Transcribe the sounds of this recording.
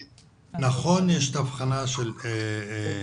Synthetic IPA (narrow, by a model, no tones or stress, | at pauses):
naχo̞njeʃet̪afχanaʃele